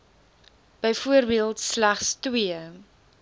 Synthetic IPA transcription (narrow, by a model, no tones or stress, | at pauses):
b̥əjfuərbiəlˠtslæχstwiə